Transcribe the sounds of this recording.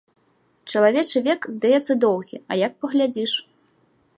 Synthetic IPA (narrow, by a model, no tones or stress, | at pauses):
t͡ʂɐlˠavʲɛt͡ʂɨvʲɛkzd̪ajɛt̪sːɐd̪ɔwɣʲiɐ̰jɐk̚pɐɣlʲad͡zʲiʂ